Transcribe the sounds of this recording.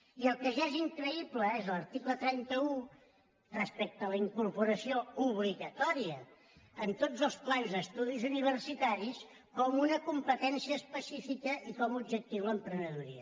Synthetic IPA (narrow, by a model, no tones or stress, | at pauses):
iəlˠkəʒaɛziŋkɾəipləezləɾt̪iklət̪ɾɛnt̪əu | rəspɛk̚t̪ələiŋkuɾpuɾəsiouβliɣət̪ɔɾiə | ənt̪od͡zəlˠsplanzəst̪uðizuniβ̞ərsit̪aɾis | kɔmunəkumpət̪ɛnsiəːspəsifikəʔikɔmubd͡ʒək̚t̪iwləmpɾənəðuɾḭə